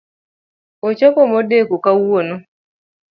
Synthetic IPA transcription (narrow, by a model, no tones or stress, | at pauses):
ot͡ʃɔpɔmɔdekokawonɔ